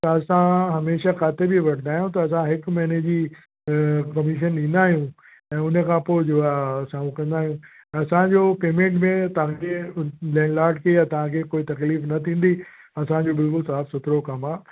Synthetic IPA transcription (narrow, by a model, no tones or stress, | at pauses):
t̪ɐɐsãɦɐmeːʃakaːt̪ebiʋɐʈnd̪aːɦijũt̪̬ɐɐsãɦɪkmɛːned͡ʑi | kɐmɪʃ̬ənɗĩːn̆d̪aːɦijũ | ɛ̃ːʊn̤ə̆kʰãpoːɪd͡ʑoːasãːukɐ̃nd̪aːɦijũ | ɐsãd͡ʑoːpeːmẽːɳʈmẽt̪ɐʋ̤ãkʰelɛ̃ːɳɖlaːɾɖ̚kʰejat̪ɐʋ̤ãkʰekoːit̪ɐkliːfnɐt̪ʰĩːn̆d̪i | ɐsãd͡ʑobɪlkʊlsaːfsʊt̪ʰɾokɐmaː